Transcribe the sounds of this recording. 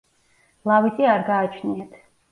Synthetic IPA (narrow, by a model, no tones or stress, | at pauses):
lˠavid̪zʼiaɾɡaːt͡ʃʰniat̪ʰ